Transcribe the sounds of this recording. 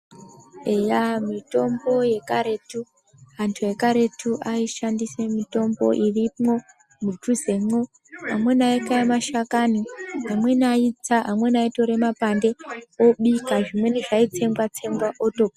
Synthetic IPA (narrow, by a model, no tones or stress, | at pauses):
ejamito̞mbo̞je̞kaɾe̞tu | antʰuje̞kaɾe̞tʰuʔaiʃandise̞mito̞mbo̞̰ʔirimŋo̞ | mutuze̞ŋo | amwe̞naekaemaʃakaniɦamwe̞nait͡saɦamwe̞naito̞ɾe̞mapande̞o̞ɓikaʐimwe̞niʐait͡se̞mɡwat͡se̞mɡwaʔotopa